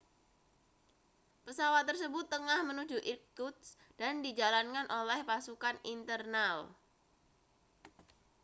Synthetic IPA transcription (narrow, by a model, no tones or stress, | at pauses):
pəsawat̪ːərsəbʊt̪ːəŋahmənu̥d͡ʒuʔirkut̪s | d̥andid͡ʒalankanʔolɛhpasukanint̪ərnal